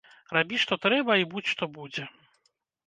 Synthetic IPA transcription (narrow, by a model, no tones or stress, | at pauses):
rabʲiʂt̪ɔt̪ɾɛbɐibut͡sʲʂt̪ɔbud͡zʲɛ